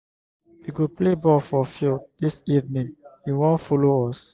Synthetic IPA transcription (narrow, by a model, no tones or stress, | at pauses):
wiɡuplebɔfɔfidisivnĩŋiwɔ̃nfoloɔs